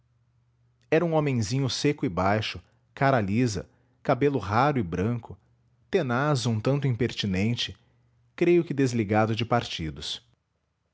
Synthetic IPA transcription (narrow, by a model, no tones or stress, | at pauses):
ɛɾɐũõmẽj̃zĩɲʊsekʊɪbajʃʊ | kaɾalizɐ̰ | kabelʊɦaɾʊɪbɾɐ̃kʊ | t̪enazʊũt̪ɐ̃nt̪ʊĩpeɾt͡ʃinẽnt͡ʃɪ | kɾejʊkɪd̪ezliɡad̪ʊd͡ʒɪpaɾt͡ʃid̪ʊs